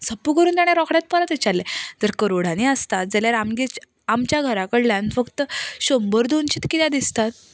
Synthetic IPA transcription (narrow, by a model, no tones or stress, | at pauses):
səpːukəɾuːnt̪aɽ̃jaɾɔkɽjat̪̚pəɾət̪et͡ɕalːed͡zəɾkəɾoɽ̤aniəst̪at̪̚d͡zəljaɾamɡet͡ɕ | amt͡ɕjaɡʱəɾakəɾlãnfəkt̪əɕombəɾd̪ont͡ɕiːt̪kit̪jad̪ist̪at̪̚